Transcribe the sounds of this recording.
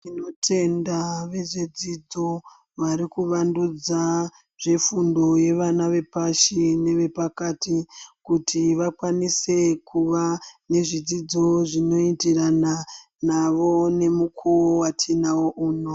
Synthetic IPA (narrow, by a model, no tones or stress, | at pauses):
ino̞tʰe̞ndaʋe̞ʐe̞d͡zid͡zo̞ | ʋaɾikuʋandud͡za | ʐe̞fundo̞je̞ʋanaʋe̞paʃine̞ʋe̞pakatikutʰiʋakwanise̞kuʋane̞ʐid͡zid͡zo̞ʐino̞itirana | naʋo̞ne̞mukʰuowatʰinawo̞ʔuːno̞